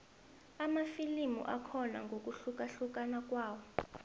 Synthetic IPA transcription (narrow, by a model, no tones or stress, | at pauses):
amafilimṵʔakʰɔna̰ŋɡʱok̬ʼuɬuk̬ʼaɬuk̬ʼanak̬ʼwaːwɔ